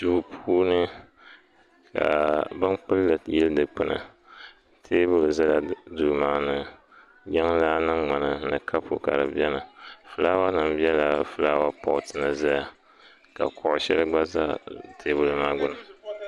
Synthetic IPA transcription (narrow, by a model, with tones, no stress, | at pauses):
tu˨pʰuː˦nɨ˦ | ka̰˨bɨ˦nk͡pɨ˦lːɨ˨jɪ˦ldɨ˨k͡pɨ˦nɨ̰˨ | tʰeː˦bʊ˦lɨ˨za˦la˦du˨maː˦nɨ˦ | jɛ˦ŋ˦laː˦nɨ˦ŋ͡ma˨nɨ˨nɨ˨kʰa˦po̰˦ka̰˨ɾɨ̰˨bi˦ɛ˦nɨ˨fɨ˨laː˦wa˦nɨ˨mbi˦ɛ˦la˨fɨ˨laː˦wa˦pɔ˦ʔʊ˨tʰɨ˨nɨ˨za˦ja˨ | ka̰˨kʰʊ˨ʔʊ˨ʃɛ˦lɨ˦ɡ͡ba˦za̰˦tʰeː˦bʊ˨lɨ˨maː˦ɡʊ˦nɨ˨